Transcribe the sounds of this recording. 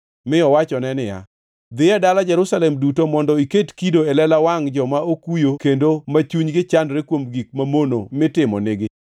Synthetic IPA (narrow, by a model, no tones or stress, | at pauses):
mɪɔwat͡ʃɔnɛnɪja̰ | d̪ɪjɛdalad͡ʒɛɾusalɛmdutomɔndɔiketkidoelɛlawaŋd͡ʒɔmaokujokendomat͡ʃuɲɡɪt͡ʃandɾekwomɡik̚mamonomɪtɪmɔ̰nɪɡɪ